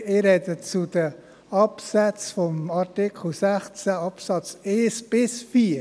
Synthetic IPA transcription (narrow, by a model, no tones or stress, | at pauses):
ɪɾɛdət͡sud̥ə | ɑpsɛt͡sfɔmɑɾtɪkʰχl̩sæχt͡sæɑpsɑt͡seːsb̥ɪsfiː